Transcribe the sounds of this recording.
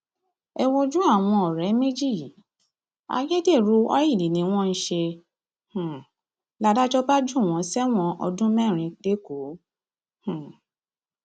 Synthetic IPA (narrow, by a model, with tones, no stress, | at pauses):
ɛ˧w̃ɔ̃˧d͡ʒũ˦a˦˨w̃ɔ̃˧ɔ˨ɾɛ˨˦me˦d͡ʒi˦˨ | a̰˧je˦de˦˨ɾu˨˦ɔ˦ji˦˨li˨nĩ˧˦w̃ɔ̃˦n̩˧˦ʃe˧ | h̩˨ | la˧da˦d͡ʒɔ˦ba˦d͡ʒũ˦˨w̃ɔ̃˨˧˦sɛ˦w̃ɔ̃˧ʔɔ̰˧dũ˦mɛ̃˦˨ɾ̃ĩ˧k͡pe˦ko˨˦ | h̩˨